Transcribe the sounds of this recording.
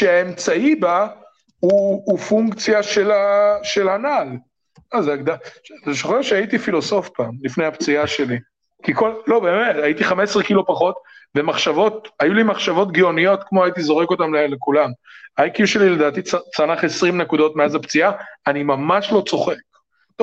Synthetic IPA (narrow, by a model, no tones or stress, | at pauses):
ʃeaemt͡saiba | uːfuŋkt͡sjaʃelaʃe̞lhanal | azeaɡd̪aʃteʃoχeʁʃeait̪ifilo̞so̞fpaːmlifnejhapt͡siaʃe̞li | kikollo̞be̞ːmetait̪iχame̞sʁekilopaχo̞tve̞maχʃavo̞t̪̚ajulimaχʃavo̞t̬ɡio̞nio̞t̪kmoajit̪izo̞ʁeko̞t̪amlelekulamajkjuʃelile̞d̪aːt̪it͡sat͡sanaχesʁimnekud̪o̞tmeazapt͡siaanimamaʃlo̞t͡so̞χek̚ | to